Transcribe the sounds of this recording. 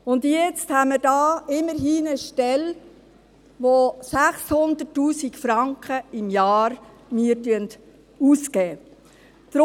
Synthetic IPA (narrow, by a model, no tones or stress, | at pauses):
ʊnd̪jɛt͡sthaməɾdɑːɪməɾɦiːnəʃtɛl | ʋosæχshʊnd̪ətːuːsikfɾɑŋkχəɪmjɑːɾ | miəɾtyənt | uːskɛː | d̪̥ɾ